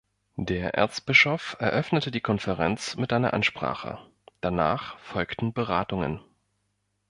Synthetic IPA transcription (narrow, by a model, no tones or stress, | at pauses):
d̥eːɐʔɛ̰ɐt͡sb̥ɪʃofɛɐʔœfnətədiːkʰɔnfɛʁɛnt͡smɪtʔaɪnɐ̰ʔanʃpʁ̥a̰ːχə̰ | d̥ana̰ːχfɔlktn̩bəʁaːtʊŋə̰n